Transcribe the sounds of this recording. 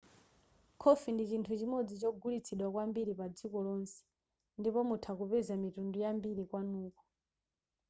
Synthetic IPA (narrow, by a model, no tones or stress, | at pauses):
kʰɔfindit͡ʃintʰut͡ʃimɔd͡zit͡ʃɔɡulit͡sʰiɗwakwambiɾipad͡zikɔlɔnsɛ̥ | ndipɔmutʰakupɛzamitundujambiɾikwanuːkɔ